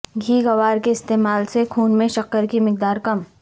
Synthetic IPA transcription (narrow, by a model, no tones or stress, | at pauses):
ɡʱiːɡɐʋaːɾkeɪst̪eːmaːlsekʰuːnmẽʃɐkəɾkimɪk̚d̪aːɾkɐm